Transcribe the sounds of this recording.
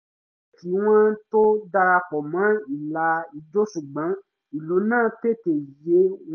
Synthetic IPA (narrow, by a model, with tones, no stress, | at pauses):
ɛ˦˨ki˨˦w̃ã˦to˦da˧ɾa˧kɔ˨mã˨˦i˨la˧i˧d͡ʒo˦ʃu˨ɡ͡bã˨˦ | i˨lo˨˦nãː˦˨te˦˨te˨je˨˦